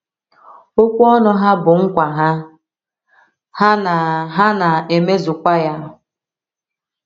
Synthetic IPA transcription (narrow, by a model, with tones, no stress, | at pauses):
o˦kʷu˦ɔ˦nɔ˦ɦa˦bʊ˨ŋ̩˦kʷa˨ɦa˦ | ha˦na˨ɦa˦na˨e˨me˦zʊ˨kʷa˦ja˦